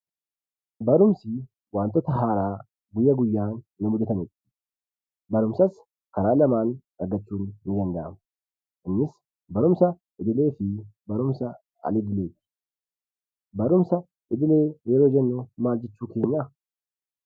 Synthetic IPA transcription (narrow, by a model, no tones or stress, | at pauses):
bɐɾʊmsɪ | waːnt̪ːɔt̪ɐɦaːɾaː | ɡʊjːɐɡʊjːaːnːɪmʊd̪ɛt̪ɐnɪt̪ | bɐɾʊmsɐs | kɐɾaːlɐmaːn | ɐɾɡɐt͡ʃːuːnːɪɡ̪ɐnd̪ɐʔɐm | ʔɪnːɪs | bɐɾʊmsɐ | ɪd̪ɪle̞ːfɪbɐɾʊmsɐ | ɐ̰lɪd̪ɪleːt̪ɪ̥ | bɐɾʊmsɐ | ɪd̪ɪle̞ːjɛɾoːd͡ʒɛnːɔmaːld͡ʒɪt͡ʃːuːke̞ːɲːa